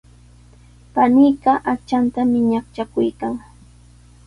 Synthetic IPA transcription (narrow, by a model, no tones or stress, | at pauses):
panijɢɑʔakt͡ʃant̪amɪɲaχt͡ʃakʊjkaŋ